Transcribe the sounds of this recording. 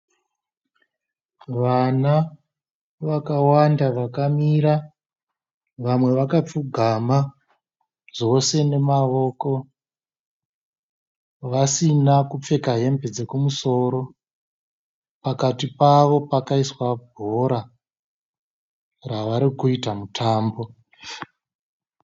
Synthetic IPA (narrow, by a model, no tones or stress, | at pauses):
ʋana | ʋakawandaʋakamiɾa | ʋamwe̞ʋakap͡fuɡʱama | ʐo̞se̞ne̞maʋo̞ko̞ | ʋasinakup͡fe̞kaɦe̞mbed͡ze̞kumuso̞ɾo̞ | pakatipaʋo̞pakaiswabʱo̞ɾa | raʋaɾikuitamutʰaːmbo̞